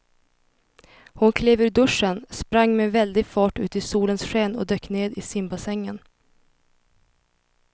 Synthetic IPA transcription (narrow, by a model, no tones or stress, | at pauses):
hʊnkʰleːvʉ̟ːɖɵʂənspɾaŋːmɛvɛld̪ɪɡfɑːʈʉ̟ːt̪ɪsuːlənsɧeːnɔ̰d̪øːkːneːd̪ɪsɪmbasɛŋːən